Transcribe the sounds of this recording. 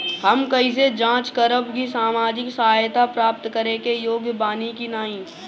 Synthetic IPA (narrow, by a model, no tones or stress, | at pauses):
həmkɐis̬ed͡ʒãːt͡ʃkəɾəbkisaːmaːd͡ʒɪksɐɦaːjt̪apɾaːp̚t̪kəɾekejoːɡbaːnikinaːĩː